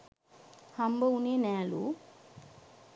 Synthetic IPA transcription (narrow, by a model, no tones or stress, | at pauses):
hɐmbɐuneːnɛːlṵ